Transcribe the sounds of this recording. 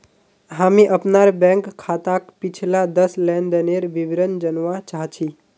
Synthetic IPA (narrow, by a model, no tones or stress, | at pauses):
ɦamẽʔəpnaɾbɛ̃ŋkʰːat̪akpit͡ʃʰlad̪əslɛnd̪əneɾʋiʋɾənd͡ʒənʋãt͡ʃaɦt͡ʃʰi